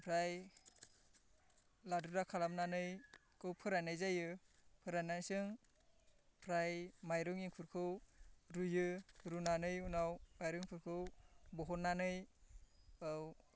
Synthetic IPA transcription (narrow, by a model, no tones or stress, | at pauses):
pʰɾaj | ladudakʰalamnanɯj | kɯwpʰɯɾanɯjzajɯpʰɯɾanansɯŋ | pʰɾajmajɾɯŋiŋkʰuɾkʰɯwɾujɯɾunanɯjunawmajɾɯŋpʰɯɾkʰɯwbɔɦɔnːanɯj | ɯw